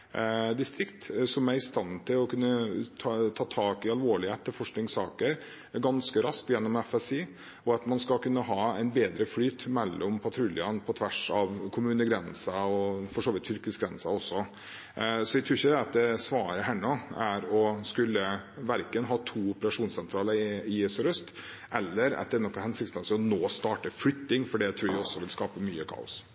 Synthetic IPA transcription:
d̪ɪst̪ɾɪkt̪sɔmæɾɪst̪ɑnt̪ʰɪlɔkʉnːət̪ʰt̪ʰɑːt̪ʰɑːkɪɑlʋoːɭɪheːt̪ʰːɪlfɔʂknɪŋsɑːkəɾ | ɡɑnskəɾɑskt̪jɛnːɔmɛfɛsiː | ɔɑt̪mɑnskɑkʉnːəɦɑːɛɪnbeːd̪ɾəflyːt̪mɛlːɔmpʰɑt̪ʰɾʉljənpʰɔt̪ʰʋæʂɑʋkʰʊmʉːnəɡɾɛnsɑɔfɔʂoːʋɪt̪ʰːʏɾkəsɡɾɛnsɑɔsːɔ | sɔʋæɪt̪ʰɾʉːɾçəd̪ɛɑt̪̚d̪ɛsʋɑːɾəɦæɳɔæɾɔskʉlːəʋæɾkənɦɑːt̪ʰuːʊpəɾɑʂuːnsɛnt̪ʰɾɑːləɾɪesɔɾœst̪ | ʔɛlːəɾɑ̰t̪̚d̪ɛnɔkːɑnhɛnsɪk̚t̪mɛnsɛɔnoːst̪ɑːʈəflʏt̪ːɪŋfɔɖiæt̪ʰɾuːɾʋæɪɔsːɔʋɪlskɑːpəmyːəkʰɑ̰ːʊ̰s

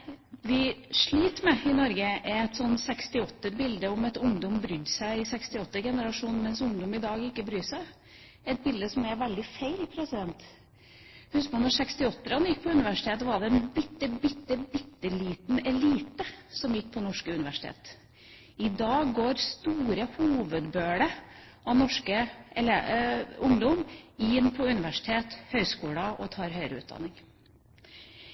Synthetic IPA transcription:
ʋɪʂɭiːt̪mɛɪnɔɾɡəɛɛt̪sɔnsɛkst̪ɪɔt̪ːəɾbɪld̪əɔmɛt̪ʊŋd̪ɔmbɾʏd̪sæɪɪsɛkst̪ɪɔt̪ːəɡɛnəɾɑʂuːnmɛnsʊŋd̪ɔmɪd̪ɑːɡɪkːəbɾyːsæɪ | ɛt̪̚bɪld̪əsɔmɛɾʋɛld̪ɪfeɪlpʰɾɛsɪd̪ɛnt̪ | hʉskəpʰɔnɔsɛkst̪ɪɔt̪ːəɾɑnəjɪkːpʰɔʉnɪʋæʂɪ̥t̪ʰeːt̪ʋɑɖɛɛnbɪt̪ːəbɪt̪ːəbɪt̪ːəliːt̪nɛliːt̪əsɔmjɪkːpʰɔnɔʂkəʉnɪʋæʂɪ̥t̪ʰḛːt̪ | ɪd̪ɑːɡɡoːɾst̪uːɾəhuːʋəd̪bøːɽə | ɑʋnɔʂkəɛleʊŋd̪ɔmɪnpʰɔʉnɪʋæʂɪ̥t̪ʰeːt̪hœʏskuːləʔɔt̪ʰɑːɾhœʏɾəʉ̰ːt̪̚d̪ɑ̰nːɪŋ

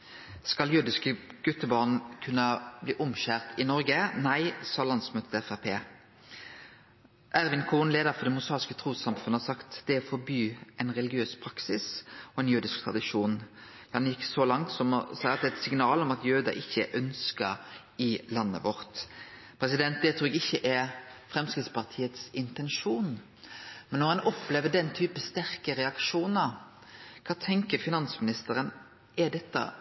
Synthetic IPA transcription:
skɑljʉːd̪ɪskəɡ̥ʉt̪ːəbɑʁnkʰʉnːəbliːʔʊmɕæʁt̪ɪnɔɾɡənæɪsɔɑlɑnsmøːt̪ət̪ʰɛfæpʰḛː | ʔæɾʋɪnkʰuːnleːd̪əʁfɔʁd̪ɛmʊsɑːʁɪskət̪ʰʁuːsɑmfʉnəhɑsɑkt̪d̪̥ɛfɔbyːɛɪnʁɛlɪɡɪøːspʰɾɑksɪsɔɛnjʉːd̪ɪskt̪ʰʁɑ̰d̪ɪʂuːn | j̪ɑːd̪ɑnjɪkːsɔlɑŋt̪sɔmɔ̰sæɪɑt̪d̪ɛːɛt̪sɪŋnɑːlɔmɑt̪jøːd̪ɑ̰ʔɪçːəʔœnskəɾ | ɪlɑnːə̰ʋɔɾt̪ | pʰɾɛsɪd̪ɛnt̪̚d̪ɛt̪ʰɾuːɛɡɪçːəʔɛɾfɾɛmskɪt̪spʰɑʁt̪ʰiːət̪sɪnt̪ɛnʃuːn | mɛnːɔɾhɑnɔpːleːʋəd̪ɛnt̪ʰyːpəst̪æɾkəɾɛɑkʂuːnə | kʰɑːt̪ʰɛŋkəɾfɪnɑnsmɪnɪst̪əɾən | ɛɖ̪ɛt̪ːə̰

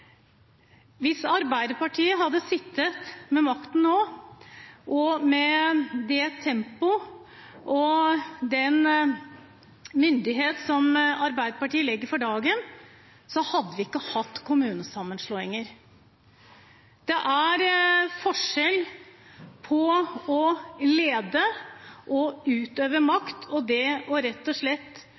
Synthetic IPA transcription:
ʋɪsɑɾbæɪd̪əpɑʈʰiːəɦɑd̪ːəsɪt̪ːət̪mɛmɑkt̪n̩noː | ʔɔmɛd̪ɛt̪ʰːɛmpʊ | ʔɔd̪ɛn | mʏnd̪ɪɦeːt̪sɔmɑɾbæɪd̪əɾpɑʈiːəlɛɡːəɾfɔɖɑːɡən | sɔhɑd̪ːəʋɪɪkːəhɑt̪ːkʰʊmʉːnəsɑmːənʂlɔːɪŋəɾ | d̪̥ɛʔæɾfɔʂɛl | pʰɔɔleːd̪əʔɔʉːt̪øːʋəmɑkt̪ʰɔd̪ɛɔɾɛt̪ːɔʂlɛt̪ː

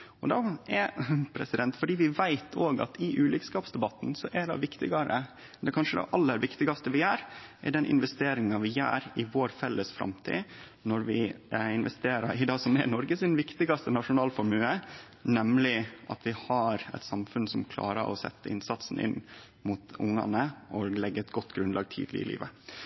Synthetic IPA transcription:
ɔd̪ɑɛpʰɾɛsɪd̪ɛnt̪fɔɖiːʋɪʋæɪt̪ʰoːɡɑ̰t̪ʰɪʔʉːlɪkskɑːpsd̪ɛbɑt̪ːn̩sɔʔæd̪ɑ̰ʋɪkt̪ɪɡɑɾə̰ | d̪ɛkʰɑnʂəd̪ɛ̰ʔɑlːəɾʋɪkt̪ɪɡɑst̪əʋɪjæːɾɛ̰ɖɛnʔɪ̰nʋɛst̪eːɾɪŋɑʋɪjæ̰ːɾɪʋoːɾfɛlːəsfɾɑ̰mt̪ʰḭː | nɔɾʋɪɪnʋɛst̪eːɾɑɾɪd̪ɑːsɔmɛnɔɾɡəsɪnʋɪkt̪ɪɡɑst̪ənɑʂʊnɑːlfɔɾmʉːə | nɛmlɪʔɑ̰t̪ʋɪhɑɾɛ̰t̪sɑmfʉnsɔmkʰlɑ̰ːɾə̰ɾʔɔ̰sɛ̰t̪ːəɪnsɑt̪sn̩ʔɪ̰nː | muːt̪ʊŋɑ̰nəʔɔlɛɡːəɛt̪ɡɔt̪ːɡɾʉnlɑ̰ːɡ̚t̪ʰḭːd̪lɪɪlḭːʋə

